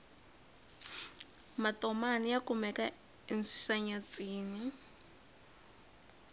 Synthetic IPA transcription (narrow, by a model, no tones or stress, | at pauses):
matɔmanijakumɛka | insaɲat͡sʼiːni